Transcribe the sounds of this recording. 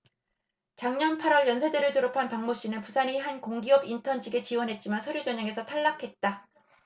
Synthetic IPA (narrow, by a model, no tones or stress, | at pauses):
t͡ɕaŋɲʌnpʰaɾwʌɭjʌnsʰe̞deɾɯɭtoɾopʰanpaŋmoɕ͈inɯnpusʰaniɦankoŋɡiʌbintʰʌnd͡ʑiɡe̞t͡ɕiwʌnɦe̞t̚t͡ɕ͈imansʰʌɾjud͡ʑʌɲaŋe̞sʰʌtʰaɭːakʰe̞t̚t͈a